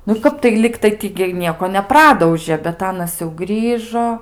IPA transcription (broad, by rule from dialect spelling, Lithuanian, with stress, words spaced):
nʊ ˈkɐp ˈlʲɪktɐɪ tʲɪ ɡʲɪ ɪ ˈnʲiɛkoː nʲɛˈprɑːdɐʊʒʲeː bʲɛt ˈɑːnɐs jɛʊ ˈɡrʲiːʒoː